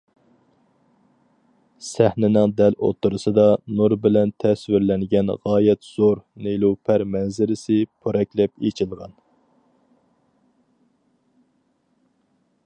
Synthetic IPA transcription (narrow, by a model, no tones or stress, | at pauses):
sæhnɪnɪŋd̪ɛlo̰t̪ʰːuɾɨsɨd̪ɑnuɾbɪlɛnt̪ʰɛswɪɾlɛŋɡʲɛnʁɑːjɛt̪z̥oɾnelupʰæɾmɛnzɪɾɪsɪpʰøɾɛkʲlɛpet͡ʃʰilˠʁɑn